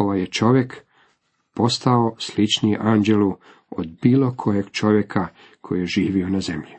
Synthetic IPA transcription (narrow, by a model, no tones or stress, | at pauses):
oʋajet͡ʃo̞ʋjek | po̞st̪aoslit͡ʃnieʔaːnd͡ʒelu | o̰d̪biːlo̞kʰo̞jeɡ̥t͡ʃo̞ʋjekʰa | kʰo̞jijeʒiːʋio̞nazemʎi